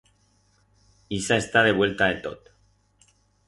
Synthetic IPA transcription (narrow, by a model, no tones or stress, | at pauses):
isae̞st̪aðe̞βwe̞lt̪aet̪o̰t̪